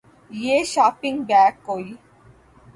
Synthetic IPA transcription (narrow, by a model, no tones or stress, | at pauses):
jeːʃaːpɪ̃ŋɡbɛːkːoːi